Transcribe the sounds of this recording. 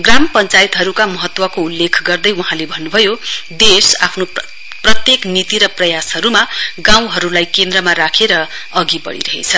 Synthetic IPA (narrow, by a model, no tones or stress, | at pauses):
ɡrampʌnt͡sait̪ɦʌɾukamʌɦʌt̪wʌkoulːekʰɡʌrd̪ʌjwuɦãlebʱʌnːubʱʌjod̪esa̰pʰno | prʌt̪jeknit̪iɾʌprʌjasɦʌɾumaɡãw̃ɦʌɾulajkend̪rʌmaɾakʰeɾʌ | ʌɡibʌ̰ɽḭɾʌɦḛt͡sʰʌ